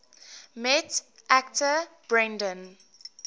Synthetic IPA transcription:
mɛt | ʔæktʰəb̥ɹɛ̃ndə̃n

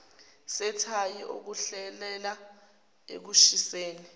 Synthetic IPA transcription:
sɛtʰajiʔo̰k̬uɬɛlɛla | ḛk̬uʃiseːni

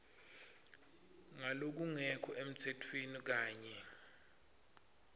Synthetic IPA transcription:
ŋalok̬uŋɛkʰɔʔem̩tʰetʰwenik̬aːɲɛ

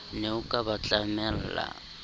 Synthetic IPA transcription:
neukʼaβat͡ɬʼamɛlla̰

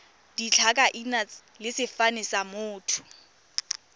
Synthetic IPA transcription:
d̥it͡ɬʰakʼaʔina | lɪsɪfanɪsamʊːtʰʊ̥

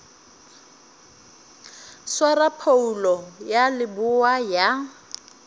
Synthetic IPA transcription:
swarapʰoulɔjalɪbʊwaja

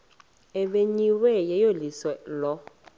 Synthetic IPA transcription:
ɛɓeɲiwɛjɛjolisɛlɔ

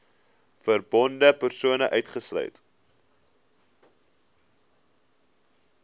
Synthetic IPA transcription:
fərbɔndəpərsuənəʔœɥtχəslœ̰ɥt

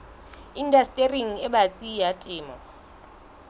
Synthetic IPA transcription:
indastʼeriŋ̩ɛbat͡sʼijatʼɪːmɔ

